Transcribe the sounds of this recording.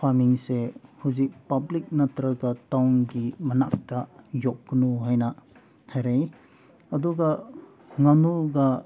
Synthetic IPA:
pʰamiŋsehuzik̚pɐblik̚nɐtɾɐɡɐtawnɡimɐnak̚tɐjok̚ɡnuɦajnɐ | hajɾej | ɐduɡɐ | ŋɐnuɡɐ

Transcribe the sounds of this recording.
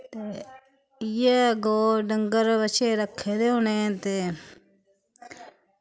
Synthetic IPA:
t̪e | jeɡoːɖəŋɡəɾʋət͡ʃeːɾəkʰːeɾeʊnẽːt̪eː

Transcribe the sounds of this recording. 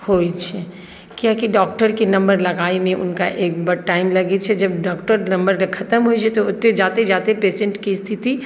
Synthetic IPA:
hot͡ʃʰɛ | kiakiɖɔːkʈəɾkenɐmbəɾlɐɡaːimẽʔʊ̰nkaʔeːk̚bəɽʈaːɪmlɐɡɛt̪̚t͡ʃʰɛd͡ʒɐbɖɔːkʈəɾnɐmbəɾekʰɐt̪əmɦojt͡ʃʰɛt̪oʊt̪ːed͡ʒaːt̪ed͡ʒaːt̪epeːsẽɳʈkist̪ʰit̪i

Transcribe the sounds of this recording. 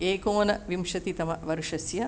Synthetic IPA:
eːkoːnɐʋimʃɐt̪it̪ɐmɐʋɐɾuʂɐsjɐ

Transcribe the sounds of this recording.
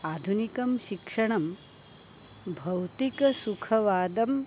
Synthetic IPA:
aːd̪ʱunikɐmʃikʂɐɳ̃ɐm | bʱɐwt̪ikɐsukʰɐʋaːd̪ɐm

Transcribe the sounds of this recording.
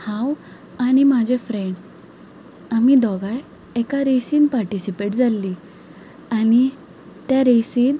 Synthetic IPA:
hãw | añimad͡ʑʱefɾeɳɖ | amid̪ɔɡaj | ɛkaɾejsiːnpaɾʈisipeʈd͡zalːi | añi | t̪jaɾejsiːn

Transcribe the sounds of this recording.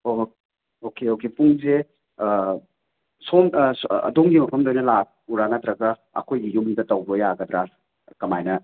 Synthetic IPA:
o | okeokepuŋse | sonɐ̰duŋɡimɐpʰɐmdojnɐlak̚uɾanat̪ɾɐɡɐ | ɐ̰kʰojɡijumidɐtɐwbɾojaɡɐd̪ɾa | kɐmajnɐ

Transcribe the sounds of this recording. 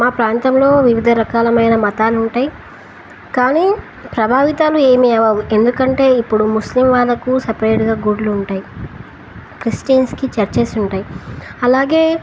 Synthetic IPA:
maːpɾaːnt̪ɐmlo̞ːʋiʋid̪ʱɐɾɐkaːlɐmɐjnɐmɐt̪aːluɳʈaːji | kaːniː | pɾɐbʱaːʋit̪aːlue̞ːmiɛʋaːue̞nd̪ukɐɳʈe̞ːipːuɽumuslimʋaːd̪ɐkusɐpɐɾeːʈɡaːɡuɖluːɳʈaːji | kɾisʈiɐnskit͡ʃɐɾt͡ʃeːsuɳʈaːjiɐlaːɡe̞ː

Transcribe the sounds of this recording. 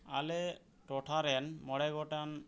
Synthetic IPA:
a̰le | ʈɔʈʰaɾɛnmɔɽaɡɔʈan

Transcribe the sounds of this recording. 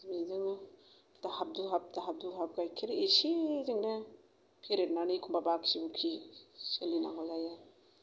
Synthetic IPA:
mizɯŋ | d̥ahap̚duɦap̚daɦab̚duɦap̚ɡajkʰeɾesizɯŋnɯ | pʰeɾet̚nanikʰumbabaksibukʰiselinaŋɔzaja

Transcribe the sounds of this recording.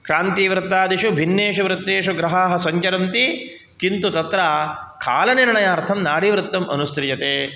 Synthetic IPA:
kaːnt̪iːʋɾɪt̪ːaːd̪iʃubʱinːeːʂuʋɾɪt̪ːeːʃuɡɾɐɦaːɦɐ̆sɐɲt͡ʃɐɾɐnt̪i | kint̪ut̪ɐt̪ɾaːkʰa̰ːlɐnenɐɳɐjaːɾt̪ʰɐmnaːɽiʋɾɪt̪ːɐmʔɐ̰nust̪ɾɪjɐt̪eː

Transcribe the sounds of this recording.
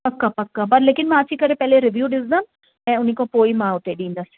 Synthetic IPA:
pɐkːapɐkːapɐɾleːkɪnmɛ̃ːɐt͡ʃʰikəɾepɛːleɾɪʋjuːɖɪsd̪am | mɛ̃ʊnĩkõpoːimãːʊt̪ːeɖĩːnd̪asi̥

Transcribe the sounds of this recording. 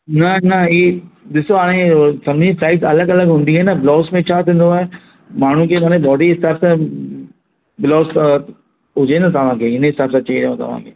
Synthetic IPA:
nɐnɐiːɗɪsoaːɽ̃ẽsɐbd͡ʑĩsaːɪʈsɐləɡɐləɡɦʊ̃nd̪iɛ̃ːnɐbɪlɔːsmẽt͡ɕʰaːt̪ʰĩːn̆d̪oaːe | maːɳ̤ũkemaːñẽbɔːɖiɦɪsaːbsã | bɪlɔːs | ɦʊd͡ʑenat̪ɐʋ̤ãkʰeːɪnẽɦɪsaːbsãt͡ʃɐiɾɐjɦõt̪ɐ̰ʋ̤ã̰ːkʰeː

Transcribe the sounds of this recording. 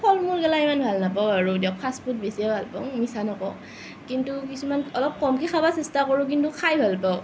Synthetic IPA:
pʰɔlmuɹkɛlaimanbʱalnapawaɹudapʰaspʰut̚besiabʱalpa̰ʊmisanɔkɔ | kintukisumanɔlɔp̚kɔmkʰikʰabasɛstakɔɹuk̬intukʰajbʱalpaʊ

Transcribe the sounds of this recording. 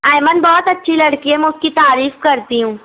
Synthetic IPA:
aːjmənbɔːt̪ɐtːʃʰilɐɽkiɦɛmɛ̃ʊskit̪aːɾiːfkɐɾt̪iɦũː

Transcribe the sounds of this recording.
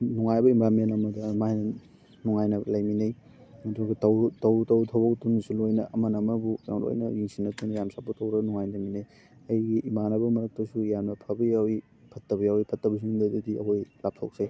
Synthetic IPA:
nuŋajbɐimbaɾmenɐmɐdɐmajnɐ | nuŋajnɐlajminej | mɐduɡitɐwtɐwtɐwtʰawbɐktunisulojnɐʔːmɐnɐmɐbuja̰mlo̰jnɐ̰jiŋsinɐtunɐjamsapːutɐwɾɐnuŋajdaminej | ɐjɡiʔimanɐbɐmɐɾɐk̚tɐsujamnɐpʰɐbɐjawi | pʰɐtːɐbɐjawipʰɐtːɐbɐsiŋdɐdudiɐ̰hojlap̚tʰo̰wk̚se

